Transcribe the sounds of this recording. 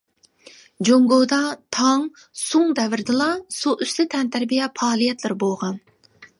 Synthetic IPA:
d͡ʒoŋɡowd̪ɑt̪ʰɑŋ | soŋd̪ɛvɪɾd̪ɪlˠɑsuʔyslɪt̪ʰɛnt̪ʰæɾbijɛpɑːlˠijɛt̪lɪɾbolˠʁɑn

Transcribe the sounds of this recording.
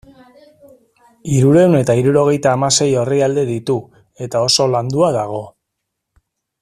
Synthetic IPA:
iɾuɾe̞wne̞t̪aiɾuɾo̞ɣ̞e̞jt̪aːmase̞jo̞riald̪e̞ðit̪u | e̞t̪ao̞so̞land̪uaðaɣ̞o̞

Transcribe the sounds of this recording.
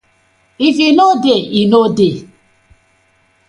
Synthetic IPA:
ivinodeinode

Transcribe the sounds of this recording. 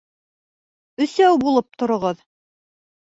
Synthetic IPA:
ɵ̆sæwbulˠɤp̚t̪ŏɾŏʁɤð

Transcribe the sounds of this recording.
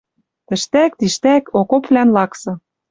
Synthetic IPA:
t̪ɘ̆ʃt̪æk̚t̪iʃt̪ækokopvlænlɑksɤ̆

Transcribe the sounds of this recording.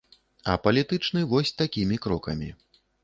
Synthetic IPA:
ɐ̰pɐlʲit̪ɨt͡ʂnɨvɔsʲt̪akʲimʲikɾɔkɐ̰mʲi

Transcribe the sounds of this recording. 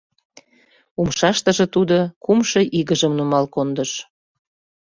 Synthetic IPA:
umʃɑʃt̪əʒĕt̪ud̪okumʃɤ̆ʔiɣəʒəmnumɑlkond̪əʃ

